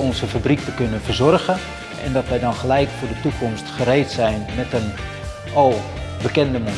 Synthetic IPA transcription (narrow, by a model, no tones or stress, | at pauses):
ɔnzəfabrik̚təkønənfərzɔrɣə | ɛ̰ndɔtʋɛjdɔnχəlɛjkfʊːdətukɔmstχəɾeːtsɛjnmɛtən | ɔlˠ | bəkɛndəmo